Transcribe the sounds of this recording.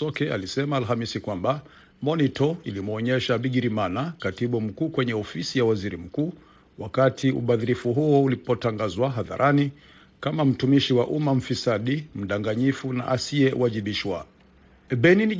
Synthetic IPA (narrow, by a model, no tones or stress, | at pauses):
ɔkɛa̰lisɛmaːlhamisikwamba | mɔnitɔilimɔɲɛʃaɓiɡiɾimanakatiɓum̩kuːkwɛɲɛɔfisijawaziɾim̩kuː | wakatʰiṵɓaðiɾifuɦuɔulipɔtaŋɡazwaɦaða̰ɾʔani | kamam̩tumiʃiwaʔumam̩fisaɗim̩ɗaŋɡaɲifuna̰ʔasiɛwaʄiɓiʃwa | ɓɛnini